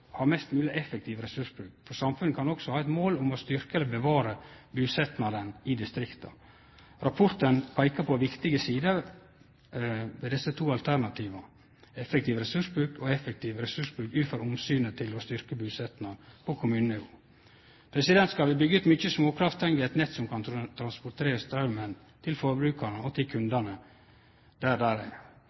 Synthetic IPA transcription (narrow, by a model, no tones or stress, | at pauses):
hɑːɾmɛst̪mʉːlɪʔɛfɛk̚t̪ʰiːʋəɾɛsʉʂbɾʉːkfɔɾsɑmfʉnəkʰɑnɔksɔhɑːɛt̪moːlʊmɔst̪ʏɾkəɛləbəʋɑːɾəbʉːsɛt̪nɑd̪ənɪd̪ɪst̪ɾɪkt̪ʰə̰ | ɾɑpʰɔɾt̪ənpʰæɪkəpʰɔʋɪkt̪ɪɡəsiːd̪ə | ʋeːd̪ɛsːət̪ʰuːɑlt̪ʰæɾnɑt̪ʰiːʋɑ | ɛfɛk̚t̪iːʋɾɛsʉʂbɾʉːkɔɛfɛk̚t̪ʰiːʋɾɛsʉʂbɾʉːkʉːfɔɾʊmsyːnət̪ʰɪlɔst̪ʏɾkəbʉsɛt̪nɑpʰɔkʰʊmʉːnənɪuː | pʰɾɛsɪd̪ɛnt̪skɑlʋɪbʏɡːəʉːt̪mʏt͡ʃːəsmoːkʰɾɑft̪ʰɛŋɡəɛt̪nɛt̪ːsɔmkʰɑnt̪ʰɾɑnspʊɾt̪ʰeːɾəst̪ɾɑʉmən | t̪ʰɪlfɔɾbɾʉːkəɳəɔt̪ʰɪlkʰʉnd̪ɑnə | d̪̥æɾd̪æːɾæ̰ɪ